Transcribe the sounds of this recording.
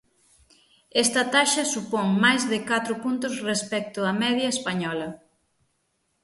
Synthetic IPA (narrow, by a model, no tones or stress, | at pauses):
ɛst̪ɐt̪aʃɐsupɔŋmajzðɪkat̪ɾʊpunt̪ʊsrespɛk̚t̪ʊɐmɛðjɐespaɲɔlɐ